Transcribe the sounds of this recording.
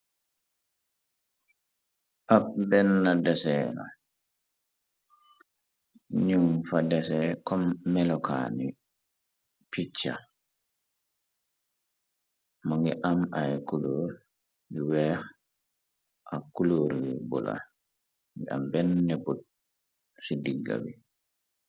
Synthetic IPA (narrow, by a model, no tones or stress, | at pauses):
ʔabɛnːadɛsɛna̰ | ɲumfadɛsɛkɔmːɛlɔka̰ni | pit͡ʃːa̰ | maŋɡiʔamajkuloɾ | ŋɡiwɛh | ʔakuloːɾbɔla̰ | ŋɡia̰mbɛnːɛbut̚ | sidiɡːa̰bi